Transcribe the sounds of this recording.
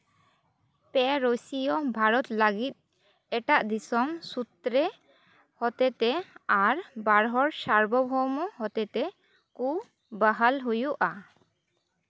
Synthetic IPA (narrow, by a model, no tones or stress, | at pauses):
pɛɾosijɔbʱaɾɔt̪laɡit̪̚ˀ | ɛʈaʔd̪isɔmsut̪ɾe | hɔt̪et̪ɛaɾbaɾɦɔɾsaɾbɔbʱɔmɔɦɔt̪et̪ɛ | ku | baɦalɦujuʔa